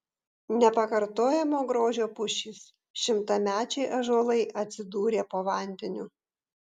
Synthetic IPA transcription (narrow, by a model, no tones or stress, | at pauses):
nʲɛpɐkɐɾt̪oːjɛmoːɡɾoːʒʲoːpʊʃʲiːs | ʃʲɪmt̪ɐmʲæːt͡ʃʲɛɪʔɐʒoːlˠɐɪʔɐt̪ʲsʲɪd̪uːɾʲeːpoːʋɑˑnʲd̪ʲɛnʲʊ